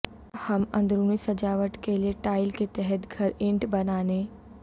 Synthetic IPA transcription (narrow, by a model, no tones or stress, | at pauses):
hɐmɐ̃nd̪ɾuːnisɐd͡ʒaːʋəʈkelieʈaːɪlket̪ɛɦɛt̪ɡʱɐɾɪ̃ɳʈbɐnaːneː